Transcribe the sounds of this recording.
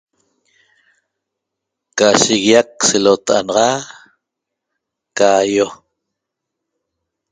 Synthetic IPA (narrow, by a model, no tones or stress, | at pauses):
kaʃiɣjak̚selot̪ʔa̰nɑʁɑ | kajo